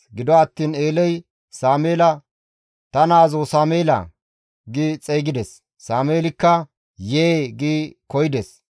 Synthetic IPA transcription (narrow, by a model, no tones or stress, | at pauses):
ɡɪd̪ɔɐt̪ːiːneːlɛj | saːmeːlɐ | t̪ɐnaːzosaːmeːlɐ̰ | ɡiːt͡sʼeːɡɪd̪ɛsː | aːmeːlɪkːɐ | jeɡiːkɔjɪd̪ɛs